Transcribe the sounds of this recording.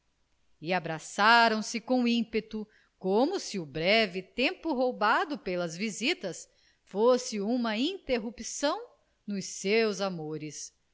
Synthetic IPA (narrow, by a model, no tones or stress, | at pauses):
ɪabɾasaɾɐ̃w̃sɪkõĩpet̪ʊ | komʊsɪʊbɾɛvɪt̪ẽmpʊɦowbad̪ʊpelɐzvizit̪ɐs | fosɪũmɐĩt̪eɦupisɐ̃w̃ | nʊsewzamoɾɪs